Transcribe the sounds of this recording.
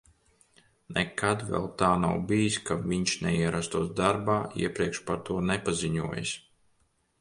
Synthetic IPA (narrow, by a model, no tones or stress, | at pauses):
nɛkʰad̪vɛ̰lˠt̪aːna̰wbijiskaviɲʃnɛiɛɾast̪uɔsd̪aɾbaːḭɛpɾiɛkʃpaɾt̪uɔnɛpaziɲuɔj̰sʲ